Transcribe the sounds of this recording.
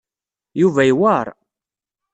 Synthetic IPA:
juvæjwaɾˤ

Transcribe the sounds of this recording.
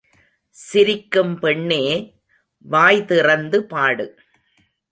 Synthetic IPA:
sɪɾɪkːɯmpɛɳːeː | ʋaːjðɪrɐnd̪ɯpaːɽɯ

